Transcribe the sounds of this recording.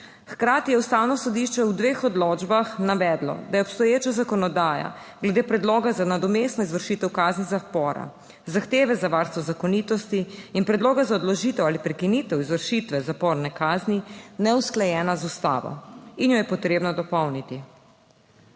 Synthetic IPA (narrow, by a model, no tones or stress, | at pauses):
xkɾaːt̪ijɛwst̪aːwnɔsɔd̪iʃt͡ʃɛwd̪ʋeːxɔd̪lɔːd͡ʒbaxnaʋɛd̪lɔ̰d̪ajɛɔpst̪ɔjeːt͡ʃazakɔnɔd̪aːja̰ɡlɛd̪eːpɾɛd̪loːɡazanad̪ɔmest̪nɔizʋəɾʃiːt̪ɛwkaːznizapɔːɾa̰ | zaxt̪eːʋɛzaʋaɾst̪ʋɔzakɔniːt̪ɔst̪iːnpɾɛd̪loːɡazaɔd̪lɔʒiːt̪ɛwaːlipɾɛkinit̪ɛwizʋəɾʃit̪ʋɛzapɔːɾnɛkaːzninɛusklɛjɛːnazust̪a̰ːʋɔ̰injɔjɛpɔt̪ɾeːbnɔd̪ɔpɔwnit̪i